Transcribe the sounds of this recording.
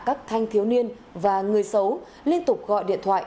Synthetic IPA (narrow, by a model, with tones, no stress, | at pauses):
kaː˦˥k̚t̪ʰa˧jŋ̟t̪ʰi˨˦wni˧ən | vaː˨˩ŋɨ˨˩əjsə˨˦w | li˧ənt̪ʊ˨˩k͡p̚ɣɔ̰˧˨jɗḭ˧˨ənt̪ʰwa̰ː˧˨ʔ